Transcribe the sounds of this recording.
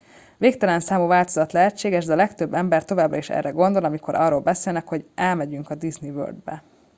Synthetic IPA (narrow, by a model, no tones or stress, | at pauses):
veːkt̪ɛlɛnsaːmuvaːlt̪o̞zɒt̪lɛɦɛt͡ʃːeːɡɛʒd̪ɛɒlɛkt̪ø̞bːɛmbɛrt̪o̞vaːbrɒiʃɛ̰rːɛɡo̞nd̪o̞lɒmiko̞ɾʔɒ̰rːolbɛseːlnɛkho̞ɟɛlmɛɟyŋkɒd̪iznivø̰ːrd̪bɛ